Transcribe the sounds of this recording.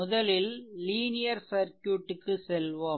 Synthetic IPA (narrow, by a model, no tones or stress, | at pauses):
ʊðɐlɪlːiːnɪjɐɾsɐɾkjuːʈːɯkːɯsɛlʋɐ